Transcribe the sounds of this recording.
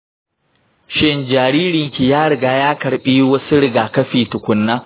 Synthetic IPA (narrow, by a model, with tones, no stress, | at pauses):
ʃɪ˦nd͡ʒaː˨ɾiː˦ɾɪ˨ŋkʲi˨jaː˦ɽɪ˨ɡaː˦jaː˦kɐ˨ɾɓiː˦wɐ˦su˦ɽɪ˨ɡaː˨kɐ˦ɸiː˨tʊ˨kʷʊ˦nːaː˦